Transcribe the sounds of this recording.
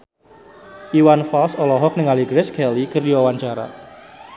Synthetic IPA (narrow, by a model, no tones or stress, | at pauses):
ʔiwanfalsɔlɔɦɔk̚nɪŋaliɡɾɛskʰɛlikərjɔwaɲt͡ʃaɾa̰